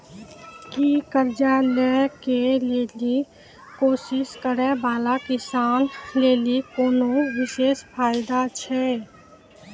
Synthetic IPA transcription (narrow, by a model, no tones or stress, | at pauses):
kikəɾd͡ʒaːlɛkeleːli | koːsɪskəɾɛbaːlakɪsaːnleːlikoːnowɪʃeːʃpʰaːjɪd̪at͡ʃʰɛ